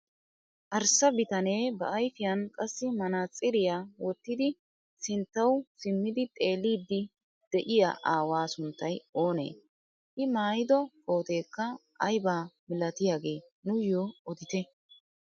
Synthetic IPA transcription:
ʔɐɾsɐbɪt̪ɐneːbɐʔɐjfɪjɐnkʼɐsːɪmɐnaːt͡sʼɪɾɪjaːwɔt̪ːɪd̪ɪ | sɪnt̪ːɐwsɪmːɪd̪ɪt̪ʼeːliːd̪ːɪ | d̪̥ɛʔɪja̰ʔaːwaːsʊnt̪ːɐjo̞ːnḛː | ʔɪmaːjɪd̪ɔkʰʼo̞ːt̪e̞ːkːɐʔɐjbaːmɪlɐt̪ɪjaːɡe̞ː | nʊjoːɔd̪ɪt̪ɛ

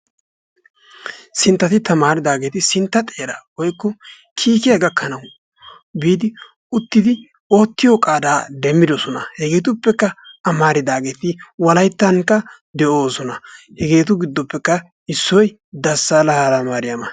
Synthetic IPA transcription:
sɪnt̪ːɐt̪ɪt̪ɐmaːɾɪd̪aːɡe̞ːt̪ɪsɪnt̪ːɐt̪ʼeːɾɐwɔjkːɔ | kʰiːkɪjɐɡɐkːɐnɐw | biːd̪ɪ | ʊt̪ːɪd̪ɪ | oːt̪ːɪjɔkʼaːd̪aːd̪ɛmːɪd̪ɔsɔnɐ̰hɛɡe̞ːt̪̬ʊpːɛkːɐɐmaːɾɪd̪aːɡe̞ːt̪ɪwɐlɐjt̪ːɐŋkːɐ | d̪ɛʔo̞ːsɔnɐhɛɡe̞ːt̪ʊɡɪd̪ːɔpːɛkːɐ | ɪsːɔj | d̪ɐsːaːlɐhalamaːɾɪjamɐ

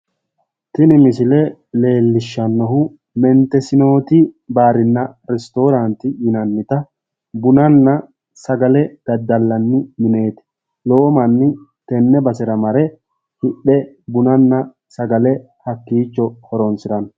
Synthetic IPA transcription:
t̪ɪnɪmɪsɪlɛle̞ːlːɪʃːɐnːɔhʊ | mɛnt̪ɛsɪno̞ːt̪ɪbaːɾɪnːɐɾɛst̪o̞ːɾɐnt̪ɪjɪnɐnːɪt̪ɐ | bʊnɐnːɐ | sɐɡɐlɛɡ̪̥ɐd̪ːɐlːɐnːɪmɪne̞ːt̪ɪ̥ | lo̞ːmɐnːɪt̪ɛnːɛbɐsɪɾɐmɐɾɛ | hɪɗːɛ | bʊnɐnːɐ | sɐɡɐlɛ | hɐkːiːt͡ʃːɔhɔɾɔnsɪɾɐn

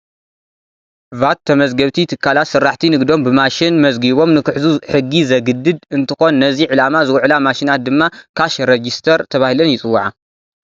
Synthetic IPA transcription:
vat̪ʰːɐmɐzɡɐβt̪ʰit̪ʰɨkʰːalat̪sɨrːaħt̪ʰinɨɡd̪o̞mbɨmaʃɪnmɐzɡiβo̞mnɨkɨħzuħɨɡːizɐɡɨd̪ːɨd̪ɨnt̪ʰɨxo̞nːɐziʕɨlamazɨwʕlamaʃinat̪̚d̪ɨmːakʰaʃɾed͡ʒist̪ʰɐɾt̪ʰɐβahilɐnjɪt͡sʼɨwːʕa

